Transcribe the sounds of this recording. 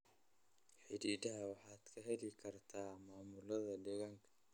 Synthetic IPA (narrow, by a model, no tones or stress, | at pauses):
ħɪdiːd̪ɐɦɐwɑħaːd̪̥kʰɐɦɛlɪkʰɐrt̪ʰaːmaːmʊlɐðɐɖɛɣaŋkʰɐ̥